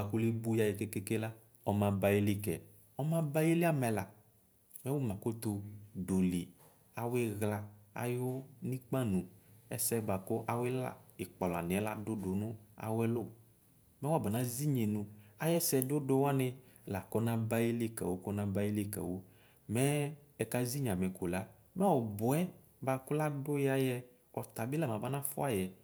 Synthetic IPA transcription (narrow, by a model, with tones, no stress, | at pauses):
a˨kʊ˦le˦bu˦ja˦je˨ke˦ke˦ke˦la˦ | ɔ˦mã˨ba˦je˦lɪ˦kɛ̰˨ | ɔ˦mã˦ba˦je˦li˦a˦mɛ˨la˨ | mɛ˦wo˦mã˨ko˦t̪ʊ˧do˨li˨ | a˨wɪ˦ɣla˨a̰˨jʊ˦nĩ˦k͡pa˦nũ˨ɛ̰˦sɛ˦ɡ͡ba˨kʊ˦ʔa˨wɪ˦la̰˨ɪ˨k͡pɔ˨lɔ˨a˨nɪ̃˨ɛ˦la̰˦dʊ˦dʊ˨nʊ̃˦a̰˨wɛ˦lʊ˦ | mɛ̃˦wɔ˦˨bɛ˨nã˨˦zi˦ɲe˨nũ˨a˦jɛ˦sɛ˨dʊ˦do˦wa˦nɪ̃˧˨la˨kɔ˦nã˦ba˦ji˦le˦ka̰˨wo˦kɔ˦nã˦ba˦i˦le˦˨ka̰˨wo˦ | mɛ˦ | ɛ˨ka˦zi˦ɲ˨ã˨mɛ̃˨ko˨la˨˦ | mɛ˦wɔ˨bʊ˨ɛ˦ | ba˨kʊ˦la˦dʊ˦ja˦jɛ˦ | ɔ˨t̪a˨bɪ˦la˦˨mã˨ba˦nã˦fʊ˦a˨jɛ˨